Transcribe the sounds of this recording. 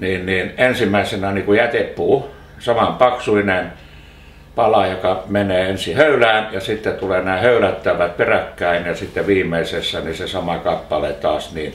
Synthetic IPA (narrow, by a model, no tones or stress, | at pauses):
niːnniːnensimːˑæisenæniːkujæt̪epːuː | sɑmɑmpɑksuinen | pɑlɑjokɑmeneːensihøylæːnjɑsit̪ːet̪uleːnæːhøylæt̪ːæʋæt̪̚perækːæinjɑsit̪ːeʋiːmˑeisesːænisesɑmɑkɑpːɑlet̪ɑːsniː